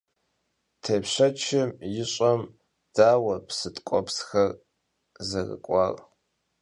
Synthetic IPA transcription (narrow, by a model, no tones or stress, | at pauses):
tʰeːpɕɐt͡ʃʰɪmjɪɕʼɐm | d̥aːwɐpsɨtʼkʷʼɔpsxɐr | zɐrɨ̰kʷʼɑːr